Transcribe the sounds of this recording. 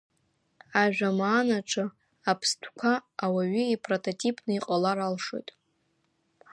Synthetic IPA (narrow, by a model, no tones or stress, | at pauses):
aʒᶣamaːnaʈ͡ʂʰʼɨ | apʰstʰkʷʰaːwaɥiipʰrotʰʼotʰʼipʼnɨiqʼalaɾalʂo̰jtʼ